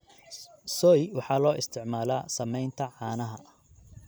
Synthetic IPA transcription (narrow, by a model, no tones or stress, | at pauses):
sɔjwɑħɑːlɔːʔɪst̪ʰɪʕmaːlaːsɐmɛjnt̪ʰɐʕɑːnɐɦɐ